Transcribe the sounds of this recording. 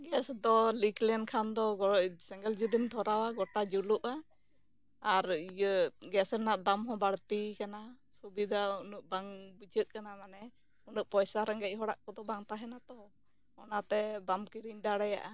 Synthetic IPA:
ɡɛsd̪ɔliklɛnkʰand̪ɔɡɔɔʔsɛŋɡɛld͡ʒud̪int̪ʰɔɾawaɡɔʈad͡ʒuluʔaː | ɾijəɡɛsɛnaʔd̪amɦɔ̃baɽt̪ikana | subid̪aunuʔ̚baŋbud͡ʒət̪̚kanamanɛ | unuʔ̚pɔjsaɾaŋɡɛc̚ɦɔɽa̰ʔkɔd̪ɔbaŋt̪aɦɛnat̪ɔ | ɔnat̪ɛbamkiɾiɲd̪aɽɛja̰ʔa

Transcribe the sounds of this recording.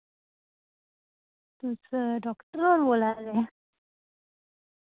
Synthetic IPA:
t̪usəɖɔkʈəɾɔɾbolaɾde

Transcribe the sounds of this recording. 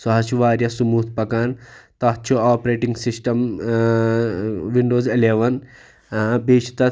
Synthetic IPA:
sɐɦɐt͡ʃʰuʋaːɾjɐsumuːt̪ʰpɐkant̪ɐt͡ʃʰuaːpɾeːʈiŋɡsisʈɐm | ʋiɳɖoːzileːʋɐn | beːt͡ʃʰi̥t̪ɐ

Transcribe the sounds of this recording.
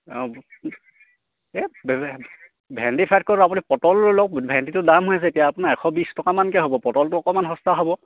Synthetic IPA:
ɔ | ɛb | bʱɛntipʰajt̚kɔapunipɔtɔllɔk̚bʱɛntitʊdamɦojas̬ɛetijaːpunaɹɛxʰɔbistɔkamankɛɦobɔpɔtɔltʊɔkɔmanɦɔstaɦɔbɔ

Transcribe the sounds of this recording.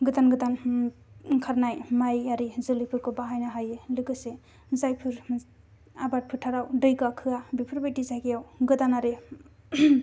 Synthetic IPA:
ɡɯdanɡɯdan | kʰaɾnajmajaɾizɯlipʰɯɾkɯbaɦajnaɦajelɯɡɯse | zajpʰɯɾ | abat̚pʰɯtʰaɾawdɯjɡakʰɯabipʰɯɾbajtizajkijawɡɯdanaɾe

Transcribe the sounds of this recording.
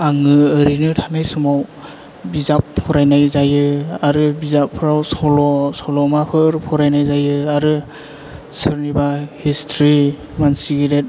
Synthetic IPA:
aŋɯəɾinɯtʰanajsɯmaw | bizap̚pʰːɔɾajnajzajɯaɾɯbizapʰɾawsɔlɔsɔlɔmapʰɯɾpʰɔɾajnajzajɯaɾɯ | sɯɾnibahistʰɾi | mansiɡiɾet̚

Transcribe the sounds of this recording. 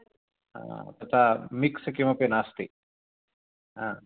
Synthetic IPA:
a̰t̪ɐt̪ʰamikskimɐpenaːst̪ḭ | ɦã

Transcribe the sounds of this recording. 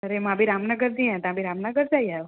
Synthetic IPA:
əɾemãbʱiɾamnəɡəɾd͡ʒĩɛ̃t̪ãbʱiɾamnəɡəɾd͡ʒajajo

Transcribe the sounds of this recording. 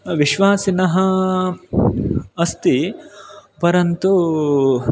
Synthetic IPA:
ʋiʃʋaːsinɐɦɐ | ɐst̪i | pɐɾɐnt̪u

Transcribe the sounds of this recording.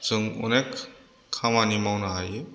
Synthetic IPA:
sɯŋɔ̰nek | kʰːamanimawnaɦaje

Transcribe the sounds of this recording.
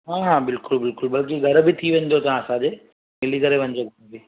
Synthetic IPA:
ɦaːɦãːbɪlkʊlbɪlkʊlbɐlk̬iɡʱɐɾbɪt̪ʰiʋẽːn̆d̪ot̪ɐãɐsãd͡ʑeː | mɪlikɐɾeʋɐ̃n̆d̪oɡʱɐɾbɪ

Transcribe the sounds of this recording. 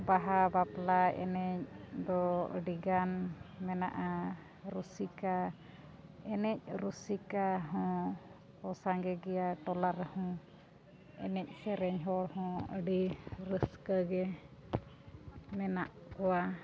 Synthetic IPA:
baɦabaplaɛ̰nɛc̚d̪ɔə̰ɖiɡanmɛna̰ʔa | ɾusika | ɛnɛc̚ɾusikaɦɔ̃ | ɔsaŋɡɛɡɛjaʈɔlaɾəhɔ̃ | ɛ̰nɛc̚ˀsɛɾɛɲɦɔɽhɔ̃ə̰ɖiɾəskəɡɛ | mɛnaʔkɔwa

